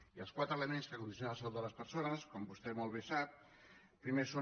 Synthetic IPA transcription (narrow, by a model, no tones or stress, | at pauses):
iəlˠskwat̪ɾələmenskəkund̪is̬jonalsəlud̪ələspəɾsonəskɔmbust̪ɛmolˠβ̞esap̚ | pɾimeso